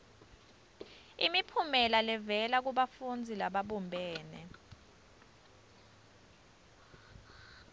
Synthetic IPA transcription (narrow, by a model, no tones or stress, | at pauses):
imipʰumɛlalɛvɛlak̬uɓafund͡zʱilaɓaɓumbʱɛːnɛ̰